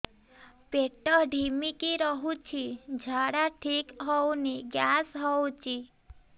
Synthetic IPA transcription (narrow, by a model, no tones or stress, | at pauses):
peʈɔɖʱimikiɾɔɦũt͡ʃʰid͡ʒʱaɽaʈʰikɦɔwniɡjasɦɔwt͡ʃʰi